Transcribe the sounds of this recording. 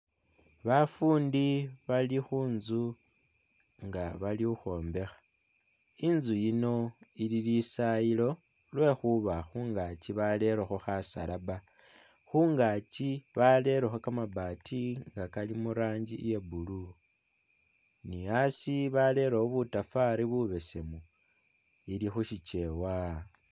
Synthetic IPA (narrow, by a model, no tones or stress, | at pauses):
βafuːndiβalixuːnzu | ŋɡaβalixuxo̞ːmbe̞xḁ | inzujino̞ililisajilo̞ | lwe̞xuβaxuːŋɡat͡ʃiβale̞ɾexoxasa̰laba | xuːŋɡat͡ʃiβale̞ɾexokamabaːtiŋɡakalimuɾaːɲd͡ʒije̞bulu | niasiβale̞ɾooβutafaɾiβuβe̞se̞mu | ilixuʃit͡ʃe̞wa